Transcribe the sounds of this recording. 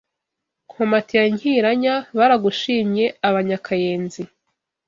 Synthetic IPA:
kʰomatijaɲhiɾaɲaβaɾaɡuʃiːmɲe̞aβaɲakʰajeːnzi

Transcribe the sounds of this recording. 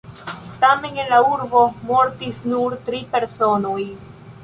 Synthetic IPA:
tame̞nenlauɾbo̞mo̞ɾtisnuɾtɾipe̞ɾso̞noj

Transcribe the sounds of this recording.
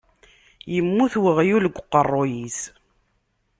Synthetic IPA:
jəmːuθwəʁjuləɡʷːqːərˤːojis

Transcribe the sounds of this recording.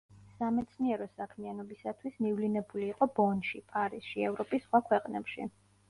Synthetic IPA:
samɛt̪sʰniɛɾɔsakʰmianɔbisat̪ʰwismivlinɛbuliːqʼɔbɔnʃipʼaɾisʃiɛvɾɔpʼisːχwakʰwɛqʼnɛ̰pʃḭ

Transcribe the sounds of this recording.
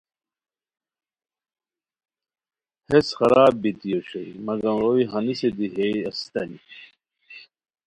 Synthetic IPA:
hesxɐɾaːbːit̪ijoɕɐimɐɡɐmɾoiɦɐnised̪iɦejɐst̪ɐni

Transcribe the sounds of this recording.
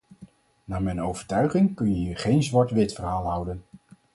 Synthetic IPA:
naːmɛjnowvəɹtœɥχɪŋkɵnjəjəχejnzʋɑɹtʋɪtfərɦaːlˠɦʌwdən

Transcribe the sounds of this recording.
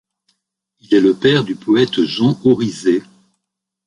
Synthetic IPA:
ilɛləpɛʁd̪ypɔɛt̪ʒɑ̃oʁize

